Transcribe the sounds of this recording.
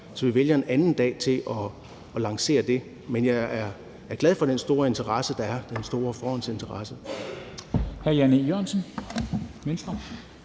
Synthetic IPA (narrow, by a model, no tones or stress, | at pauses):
sɒ̽ʋiʋeljɐe̝nænn̩d̥ɛ̰ːt͡sʰe̝lʔɒ̽ː | lɑ̈ŋse̝̰ːɐd̥e̝ | menjɑæɐ | æɐɡ̥lɛðˠfɒ̽ɾ̥ensd̥o̝ːɐe̝nt͡sʰɐʁɑ̈səd̥ɑ̈æɐd̥ensd̥o̝ːɐfɒːhɒ̽nse̝nt͡sʰɐʁɑ̈sə | hæɐjænijøɐ̰nsən | mensd̥ʁɐ